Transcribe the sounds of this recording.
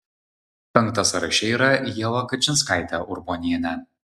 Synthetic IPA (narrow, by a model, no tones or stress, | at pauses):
pʲɛŋk̚t̪ɐsɐɾɐʃʲɛiːɾɐjɛlˠɐkɐt͡ʃʲɪnskɑɪt̪ʲɛʔʊɾbonʲijɛnʲɛ